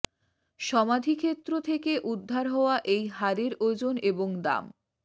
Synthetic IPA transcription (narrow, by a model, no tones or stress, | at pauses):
ʃɔmad̪ʱikʰet̪ːɾot̪ʰekeʔud̪ʱːaɾɦɔoaʔejɦaɾeɾod͡ʑoneboŋd̪a̰m